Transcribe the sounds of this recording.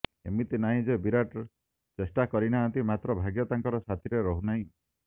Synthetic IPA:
ḛmit̪inaɦĩd͡ʒebiɾaʈ | t͡ʃesʈakɔɾinaːnt̪imat̪ɾɔbʱaɡjɔt̪aŋkɔɾɔsat̪ʰiɾeɾɔɦunaɦĩ

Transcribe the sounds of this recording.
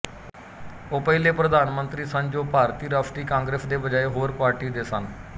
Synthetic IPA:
oːpəileːpɾəd̪ʱaːnmə̃nt̪ɾiːsə̃ɲd͡ʒoːpaːɾt̪iːɾəpʰʈiːkãːŋɡɾeːsd̪eːbəd͡ʒaːeɦoːɾpaːɾʈiːd̪eːsən

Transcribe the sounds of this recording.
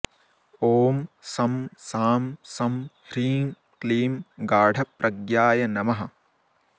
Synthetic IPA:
oːmsɐmsaːmsɐmhɾiːŋ | kliːmɡaːɖʱɐpɾʔɐɡjaːjɐnɐmɐɦɐ̆

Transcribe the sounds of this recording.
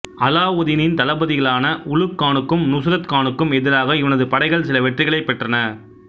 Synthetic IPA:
ɐlaːʊðɪnɪnt̪ɐlɐbɐðɪɣɐɭaːnɐʔʊɻɯkːaːɳɯkːɯmnʊsɪɾɐt̪kaːɳɯkːɯmɛðɪɾaːɣɐɪʋɐnɐðɯpɐɽɐɪɣɐɭsɪlɐʋɛʈrɪɣɐɭɐɪpːɛʈrɐnɐ

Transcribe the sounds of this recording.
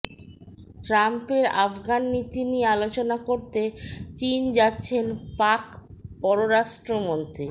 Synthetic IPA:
ʈɾampeɾafɡanːit̪iniealot͡ɕonakoɾt̪et͡ɕind͡ʑatːɕʰenpakpɔɾoɾaʃʈɾomont̪ɾi

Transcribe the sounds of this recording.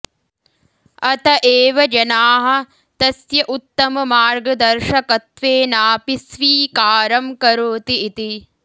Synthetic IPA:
ɐt̪ɐʔeːʋɐd͡ʒɐnaːɦɐ̆ | t̪ɐsjɐʔut̪ːɐmɐmaːɾɡɐd̪ɐɾʃɐkɐt̪ʋeːnaːpisʋiːkaːɾɐmkɐɾoːt̪iːt̪i

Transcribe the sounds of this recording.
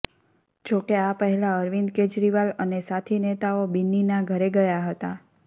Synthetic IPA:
d͡ʒokeapəɦɛlaəɾʋind̪ked͡ʒɾiʋalənesat̪ʰinet̪aobinːinaɡʱəɾeɡəjaɦət̪a

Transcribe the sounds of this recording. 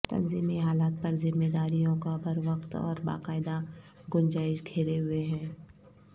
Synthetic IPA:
t̪ɐ̰nziːmiɦaːlaːt̪̚pɐɾzɪmːed̪aːɾijõkabʱɐɾʋɐqt̪ɔ̰ːɾba̰ːqaːɪd̪aɡʊnd͡ʒaːɪʃɡʰʱeːɾeɦʊeɦɛ̃ː

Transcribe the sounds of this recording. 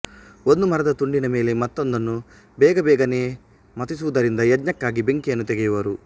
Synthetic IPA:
ond̪umɐɾɐd̪ɐt̪uɳɖinɐmeːlemɐt̪ːond̪ɐnːu | bɛːɡɐbɛːɡɐneː | mɐt̪is̬uːd̪ɐɾind̪ɐjɐd̪ɲɐkːaːɡibeŋkienːut̪ɛɡɛjɐʋɐːɾu

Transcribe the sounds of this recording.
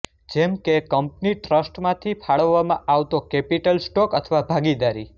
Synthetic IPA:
d͡ʒemkekəmpniʈɾəsʈmãt̪ʰipʰaɭəʋːamã̰ʔaʋt̪okepiʈəlsʈokət̪ʰəʋabʱaɡid̪aɾḭ

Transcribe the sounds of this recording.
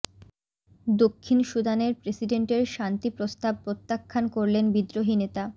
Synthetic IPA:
d̪okʰːinʃud̪aneɾpɾesiɖeɳʈeɾʃant̪ipɾost̪ab̚pɾot̪ːakʰːankoɾlenbid̪ɾoɦinet̪a

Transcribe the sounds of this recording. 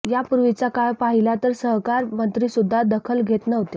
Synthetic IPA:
japuɾʋit͡ɕjakaɭpaɦilat̪əɾsəɦkaɾmənt̪ɾiːsud̪ʱːad̪əkʰəlɡʱet̪nəɦt̪e

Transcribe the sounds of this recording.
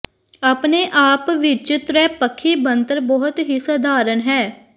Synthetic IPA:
aːpneːʔaːpʋɪt͡ʃɪt̪ɾɛːpəkʰːiːbənt̪əɾbɔɦʊt̪ɦiːsəd̪aːɾənɦɛː

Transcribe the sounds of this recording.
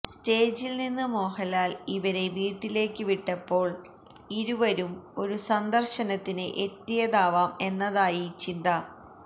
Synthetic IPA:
steːd͡ʑilninːɨmo̞ːhɐlaːliʋɐɾe̞ʋiːʈːile̞ːkːɨʋiʈːɐpːo̞ːɭ | iɾuʋɐɾumo̞ɾusɐnd̪ɐrɕɐnɐt̪ːinɨʔet̪ːijɐd̪aːʋaːme̞nːɐðaːjit͡ɕind̪ɐ

